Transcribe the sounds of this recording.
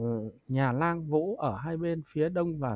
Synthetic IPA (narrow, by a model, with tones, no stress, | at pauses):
ɲaː˨˩laː˧ŋvṵ˧˥ʔəː˧˩ɦaː˧jɓe˧nfi˨˦əɗə˧wŋ͡mvaː˨˩